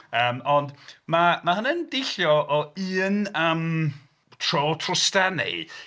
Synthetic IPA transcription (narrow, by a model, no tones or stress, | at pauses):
əːmɔndmamaɦənɛndɪɬjɔʔɔɨːnəm | tʰrotʰrʊstɛnɛ̰